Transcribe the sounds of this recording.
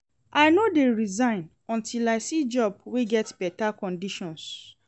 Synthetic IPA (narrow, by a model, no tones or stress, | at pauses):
ʔaɪnodeɹizãɪ̃n | ɔ̃ntʰilajsid͡ʒɔb̚weɡɛtb̥ɛtakɔ̃ndiʃɔ̃ns